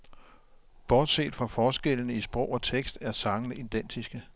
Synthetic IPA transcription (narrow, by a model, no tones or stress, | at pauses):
b̥ɒːd̥sḛːd̥fʁɑ̈fɒːsɡ̥elənəisb̥ʁɔʊ̰ɒ̽t͡sʰeɡ̥sd̥æɐsɑ̈ŋənəʔid̥en̰d̥isɡ̥ə